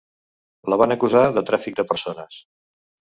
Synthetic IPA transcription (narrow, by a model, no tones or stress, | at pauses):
ləβanəkuzaðət̪ɾafik̚d̪əpəɾsonəs